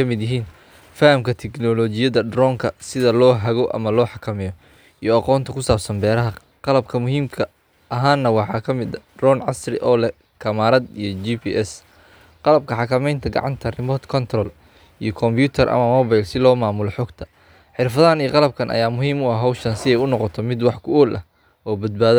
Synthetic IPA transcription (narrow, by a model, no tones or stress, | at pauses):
ɐmɪd̪jɪɦiːn | fahɐmkʰɐt̪ʰɛknɔlɔt͡ʃɪjɐðɐɖɾɔːŋkʰɐsɪðɐlɔːɦɐɣɔʔɐ̰mɐlɔːħɑkʰɐmɪjɔ | ʔijɔɑqɔːnt̪ʰɐkʰʊsaːbsɐnbɛːɾɐɦɐ | qɑlɐb̚kʰɐmʊɦiːmkʰɐ | ɐɦaːnːɐwɑħɑːkʰɐmɪd̪ɐdrɔːnʕɑ̰srɪ̰ʔɔːlɛ | kʰɐmaːɾɐd̪ijɔd͡ʒiːpʰiːʔɛs | qɑlɐb̚kʰɐħɑkʰɐmɛjnt̪ʰɐɡɑ̰ʕɑ̰nt̪ʰɐrɪmɔːt̪kʰɔnt̪ʰrɔl | ijɔkʰɔmbjuːt̪ʰɐrʔɐ̰mɐmɔːβajlsɪlɔːmaːmʊlɔħɔːɡt̪ʰɐ̥ | ħɪrfɐðaniːqɑlɐb̚kʰɐnʔɐ̰jaːmʊɦiːmʊɐhɦɐwʃɐnsɪɛjʊnɔqɔt̪ʰɔmɪd̪wɑħkʰʊɔːlʔɐ̰ | ʔɔːbɐd̪̚baːðɐ